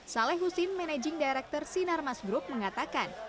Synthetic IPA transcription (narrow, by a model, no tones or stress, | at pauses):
salɛhɦusɪnmɛnɛd͡ʒɪŋdajɾɛk̚t̪ɔrsinarmasɡɾup̚məŋat̪akan